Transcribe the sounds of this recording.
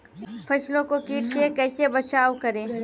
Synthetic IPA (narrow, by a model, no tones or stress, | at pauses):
pʰɐslõkokiːʈsekɛːsebɐt͡ʃaːwkɐɾẽː